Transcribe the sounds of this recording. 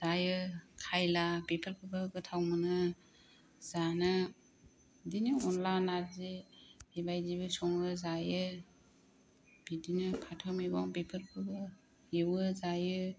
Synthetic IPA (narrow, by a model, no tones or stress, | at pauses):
zajɯkʰajlabepʰɯɾpʰɯbɯɡɯtʰawmɯnɯ | z̥anɯ | dinɯɔnlanaɾzedibajzibɯsɔŋɯzajɯ | b̥idinɯpʰatʰɯmibɔŋbepʰɯɾpʰɯbɯ | jewɯzajɯ